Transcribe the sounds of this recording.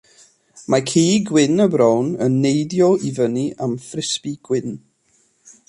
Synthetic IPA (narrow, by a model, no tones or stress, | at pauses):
makʰiːɡwɪnəbɾɔwnənːejdjɔivəniʔamfrɪspiɡ̥wɪn